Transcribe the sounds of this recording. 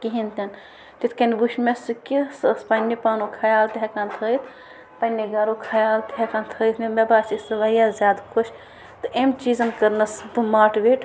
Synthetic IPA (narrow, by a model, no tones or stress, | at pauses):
kiɦint̪ɐn | t̪it̪ʰkɐnbuʃmesɨkisspɐnːipaːnokʰɐjaːlt̪eɦekant̪ʰəːjt̪ʰ | pɐnːiɡɐɾokʰɐjaːlt̪eɦekant̪ʰəːjt̪ʰmemebaːsisɨʋɐjazʲjaːd̪kʰot͡ʃʰ | t̪ɨʔemt͡ʃiːzɐnkɐɾnɐsbɨmaːʈʋeʈ